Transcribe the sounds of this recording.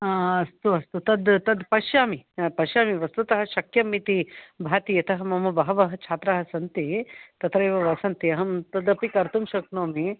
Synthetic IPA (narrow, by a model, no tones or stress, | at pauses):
aɐst̪uɐst̪ut̪ɐd̪t̪ɐd̪pɐʃjaːmipɐʃjaːmiʋɐst̪ut̪ɐɦɐʃɐkjɐmːit̪ibʱaːt̪ijɐt̪ɐɦɐmɐmɐbɐɦɐʋɐɦɐ̆t͡ʃʰaːt̪ɾaɦɐsɐnt̪it̪ɐt̪ɾɐjʋɐʋɐsɐnt̪iɐɦɐmt̪ɐd̪ɐpikɐɾt̪umʃɐknoːmi